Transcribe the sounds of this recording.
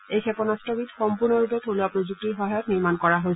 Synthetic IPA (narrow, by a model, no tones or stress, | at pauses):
ejxʰɛpɔnastɔbitxɔmpuɹnɔɹupɛtʰoluapɹozuk̚tiɹxɔɦajɔkniɹmankɔɹaɦojs